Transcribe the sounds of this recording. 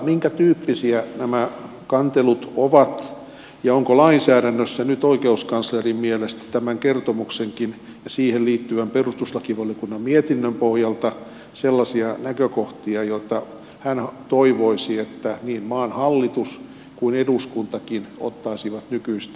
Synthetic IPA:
miŋkæt̪yːpːisiænæmæ | kɑnt̪elut̪oʋɑt̪ | jɑoŋkolɑinsæːɾænːøsːænyt̪oikeuskɑnslerimmielest̪æ̥t̪æmæŋkert̪omukseŋkin | jɑsiːhelliːt̪ːyæmperust̪uslɑkiʋɑljokunːɑmmiet̪inːømpohjɑlt̪ɑ | selːɑsiɑnækøkoht̪iɑjot̪ːɑ | hænht̪oiʋoisiet̪ːæniːmmɑːnhɑlːit̪us | kuineduskunt̪ɑkino̰t̪ːɑisiʋɑt̪nykyist̪

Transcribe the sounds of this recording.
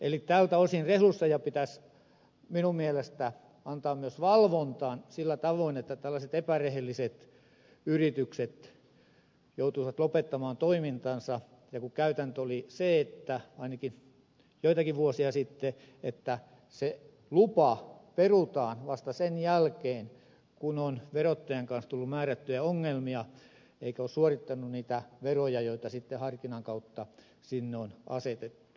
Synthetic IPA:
ḛlit̪æːlt̪æosinrehlusːɑjɑpit̪æs | minummielest̪æ | ɑnt̪ɑːmmyøsʋɑlʋont̪ɑːnsilːæt̪ɑʋoinet̪ːæt̪ælːæset̪epærehelːiset̪ | yrit̪ykset̪ | jout̪uiʋɑt̪lopet̪ːɑmɑːnt̪oimint̪ɑnsɑ | jɑkukæyt̪ænt̪øoliseet̪ːæɑinɑki | joit̪ɑkiʋʋuosiɑsit̪ːe | et̪ːæ | se | lupɑperut̪ɑːnʋɑst̪ɑsenjælkeːn | kunonʋerot̪ːɑjeŋkɑnst̪ulːummæːræt̪ːyjæoŋːelmiɑ | eikæoːssuorit̪ːɑnːunniːt̪æʋerojɑjoit̪ɑsit̪ːehɑrkinɑŋkɑut̪ːɑ | sinːeonɑ̰set̪et̪ːu̥u̥

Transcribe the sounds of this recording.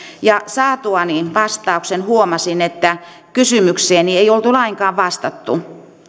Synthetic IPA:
jɑsɑːt̪uɑninʋɑst̪ɑuksenhuomɑsinet̪ːæ | kysymykseːnieiolt̪ulɑiŋkɑːʋʋɑst̪ɑt̪ːṵ

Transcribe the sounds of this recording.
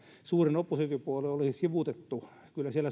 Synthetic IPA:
suːrinopːusikypuoleolisisiʋut̪et̪ːu | kylːæsieælːˑæ

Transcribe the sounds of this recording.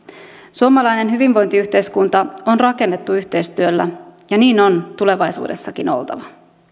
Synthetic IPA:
suomɑlɑjne̞nɦyʋinʋo̞jnt̪iyçt̪ejskunt̪ɑo̞nrɑke̞nːe̞t̪ːuyçt̪e̞jst̪yø̞lːæ̰jɑniːno̞nt̪ule̞ʋɑjsṵːde̞sːɑkino̞̰lt̪ɑ̰ʋɑ

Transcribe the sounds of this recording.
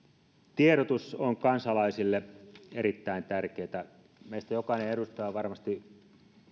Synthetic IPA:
t̪ieɾot̪usoŋkɑnsɑlɑisilːeeɾit̪ːæint̪ærkeːt̪æ | meist̪æjokɑineedust̪ɑːʋɑrmɑst̪i

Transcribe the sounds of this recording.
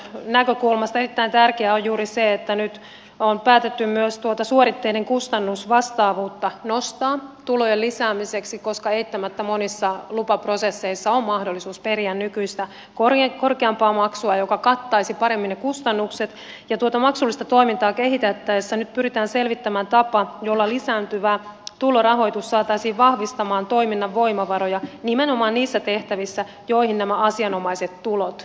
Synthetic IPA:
nækø̞kulmɑst̪ɑerit̪ːæint̪ærkeæojjuːɾiseet̪ːænyt̪ | onpæːt̪et̪ːymmyøst̪uot̪ɑsuoɾit̪ːeineŋkust̪ɑnːusʋɑst̪ɑːʋuːt̪ːɑnost̪ɑːt̪ulojelisæːmiseksiko̞skɑeit̪ːæmæt̪ːæmonisːɑlupɑprosesːeisːɑommɑhdolːisuːsperiænnykyist̪æ | korko̞rkeɑmpɑːmɑksuɑjo̞kɑkɑt̪ːɑisipɑɾe̞mːinnekust̪ɑnːukset̪ | jɑt̪uot̪ɑmɑksulːist̪ɑt̪o̞imint̪ɑːke̞ɦit̪et̪ːæesːænyt̪̚pyɾit̪æːnse̞lʋit̪ːæmæːnt̪ɑpɑjo̞lːɑlisæːnt̪yʋæt̪ulo̞rɑɦo̞it̪usːɑːt̪ɑisiːʋʋɑhʋist̪ɑmɑːnt̪o̞iminːɑʋːo̞imɑʋɑɾojɑnimeno̞mɑːnniːsːæt̪e̞ht̪æʋisːæ | jo̞ihinnæmæɑsiɑno̞mɑise̞t̪tulot̪

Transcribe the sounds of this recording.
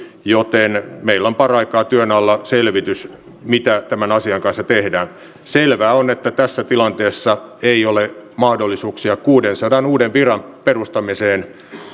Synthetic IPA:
jot̪enmeilːompɑrɑikɑːt̪yønɑlːɑselʋit̪ys | mit̪æt̪æmænɑsiɑŋkɑnsːɑt̪ehdæːn | selʋæːonet̪ːæt̪æsːæt̪ilɑnt̪eːsːɑeiolemɑhdolːisuːksiɑkuːdensɑdɑnuːdemʋirɑmperust̪ɑmiseːn

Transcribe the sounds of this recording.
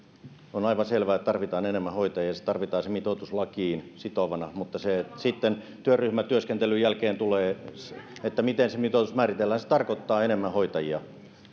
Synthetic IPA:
onɑiʋɑselʋæːet̪t̪ɑrʋit̪ɑːnenemːæhoit̪ɑjiɑse̥t̪ɑrʋit̪ɑːsemit̪ot̪uslɑkiːnsit̪oʋɑnɑmut̪ːɑsesit̪ːen | t̪yørryhmæt̪yøskent̪elyjælkeːnt̪uleː | et̪ːæmit̪ensemit̪oˑt̪usmæːrit̪elːæhænse̥t̪ɑrkot̪ːɑːenemːæhoit̪ɑjiɑ

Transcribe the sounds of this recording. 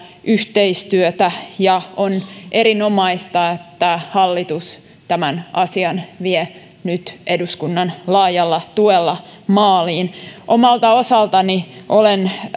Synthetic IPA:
ʔyht̪eist̪yøt̪æjɑonʔeɾinomɑist̪ɑet̪ːæhɑlːit̪us | t̪æmænɑsiɑnʋie | nyt̪ʔeduskunːɑnlɑːjɑlːɑt̪uelːɑmɑːliːnʔomɑlt̪ɑosɑlt̪ɑniʔolen

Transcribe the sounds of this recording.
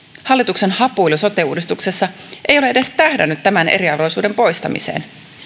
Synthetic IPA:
hɑlːit̪ukse̞nhɑpuiluso̞t̪euːdist̪ukse̞sːɑ | ʔe̞jo̞leeɾe̞st̪æhdænyt̪ːæmænḛɾiɑɾo̞jsuːde̞mpo̞jst̪ɑ̰mḭsḛːn

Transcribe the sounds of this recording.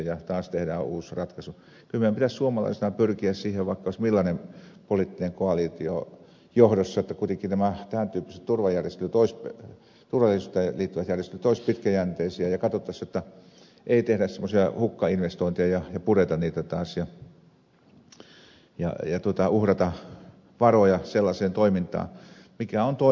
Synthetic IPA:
jɑt̪ɑːst̪ehdæuːsrɑt̪kɑsu | kylmeæmpit̪æssuomɑlɑ̰isenɑpyrkiæssiːheʋʋɑˑikːɑoˑismilːɑnempolit̪ːineŋkoɑlit̪io | johdosːɑjeot̪ːɑkuit̪eŋkːˑinæmæt̪æænt̪yːpːise̥t̪t̪urʋɑjærjest̪elyt̪oisp | t̪urʋɑlːˑiesust̪ɑliːt̪ːyʋæt̪jærjest̪elyt̪oˑispit̪kæjænt̪eisiæjɑkɑt̪ot̪ːɑsːjot̪ːɑ | ʔeit̪ehɾæssemːosiɑhukːɑinʋest̪oint̪iɑjɑjɑpuret̪ɑnniːt̪æt̪ɑːsjɑ | jɑ̰jɑt̪uot̪ɑuhrɑt̪ɑ | ʋɑrojɑselːɑseːnt̪oimint̪ɑ̰ː | mikæont̪o

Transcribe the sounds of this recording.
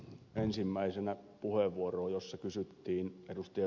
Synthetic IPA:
ensimːæisenæpuheʋːuoroːjosːɑkysyt̪ːiːnedust̪ɑjɑ

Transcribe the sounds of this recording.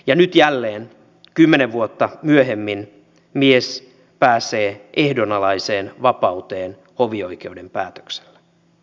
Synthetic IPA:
jɑnyt̪jælːeːn | kymːeneʋʋuot̪ːɑmyøɦemːin | mies | pæːseːʔehdonɑlɑise̞ːnʋɑpɑwt̪eːn | hoʋio̞jk̟e̞udempæːt̪ø̥kse̥lːe̥

